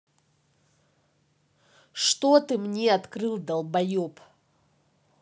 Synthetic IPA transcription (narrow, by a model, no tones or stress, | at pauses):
ʂt̪ot̪ɨmnʲeɐt̪kɾɨlˠd̪ɐlˠbɐjop